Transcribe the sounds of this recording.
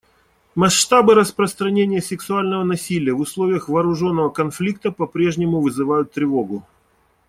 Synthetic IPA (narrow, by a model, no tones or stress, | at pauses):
mɐʂːt̪abɨɾəspɾəst̪ɾɐnʲenʲɪjəsʲɪksʊalʲnəvənɐsʲilʲɪjəvʊslˠovʲɪjəxvɐːɾʊʐo̞nːəvəkɐnflʲik̚t̪əpɐpɾʲe̞ʐnʲɪmʊvɨzɨvajʊt̪ːɾʲɪvo̞ɡʊ